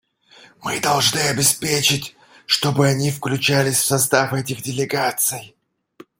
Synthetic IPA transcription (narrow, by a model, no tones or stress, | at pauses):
mɨd̪ɐlˠʐnɨɐbʲɪspʲet͡ɕɪtʲ | ʂt̪o̞bɨɐnʲifklʲʉt͡ɕælʲɪsʲfsɐst̪afɛtʲɪɣdʲɪlʲɪɡat̪sɨj